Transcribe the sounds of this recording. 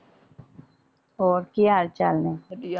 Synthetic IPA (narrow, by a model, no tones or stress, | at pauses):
oːɾkijaːɾt͡ʃalne